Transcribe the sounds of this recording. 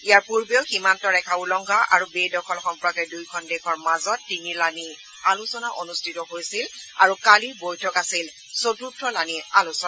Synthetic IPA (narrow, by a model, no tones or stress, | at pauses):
ijaɹpuɹbewximantɔɹɛkʰaulɔŋɡʱaʔa̰ɹubedɔkʰɔlxɔmpɔɹakɛdujkʰɔndɛkʰɔɹmazɔtːiniɹlani | alusɔnaʔonustʰitɔɦojsila̰ɹukaliɹbojtʰɔkasil | sotuɹtʰɹɔlanialusɔna